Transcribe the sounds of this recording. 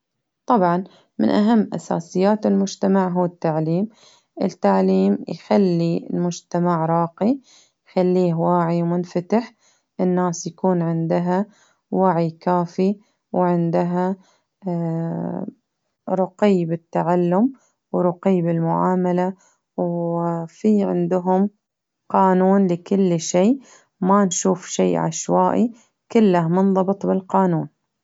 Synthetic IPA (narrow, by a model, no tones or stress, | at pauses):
t̪ˤɑbʕɑn | mɪ̰nʔaɦamːʔa̰sa̰ːsɪjːaːt̪ɪlmʊd͡ʒt̪amaʕɦuːt̪ːaʕliːm | ʔɪ̰t̪ːaʕliːmjxalːilmʊd͡ʒt̪amaʕɾˤɑːqi | jxalːiːhwaːʕimʊnfat̪aħ | ʔɪnːaːsjakuːnʕɪnd̪ɪɦa | waːʕikaːfi | wʕɪnd̪ɪɦa | ɾˤʊqɪːbɪt̪ːaʕalːʊm | wɾˤʊqiːbɪlmʊʕa̰ːmala | wfiʕɪ̰nd̪ʊɦʊm | qɑːnuːnlɪkʊlːʃeːʔ | manʃuːfʃeːʔʕa̰ʃwaːʔi | kɪlːahmʊnðˤɑbɨt̪ˤbɪlqɑːnuːn